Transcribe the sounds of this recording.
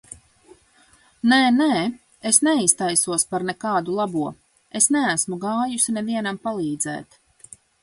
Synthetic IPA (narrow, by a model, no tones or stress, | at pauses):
nɛːnɛː | esnɛist̪ajsuɔspaɾnɛkaːd̪ulˠabuɔ | esnɛæsmuɡaːjusinɛviɛnampalˠiːd̪zɛ̰ːt̪